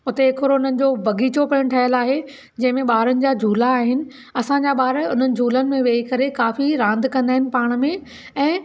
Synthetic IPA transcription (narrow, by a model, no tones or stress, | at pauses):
ʊt̪eɪkɾoʊn̤ənɪ̆d͡ʑoːbɐɡʱiːt͡ɕopɐɽ̃ʈʰɐɦjəlaːɦe | d͡ʑɐ̃ɦɪ̃mẽɓaːɾənɪ̆d͡ʑaːd͡ʑʱuːlaːɦɪnɪ̆ | ɐsãɲd͡ʑaɓaːɾʊn̤ənɪ̆d͡ʑʱuːlənɪ̆mẽʋeːikɐɾekaːfiɾãːnd̪ʱkɐ̃nd̪aːɦɪ̃nɪ̆paːɽ̃̆mẽ | ɛ̃ː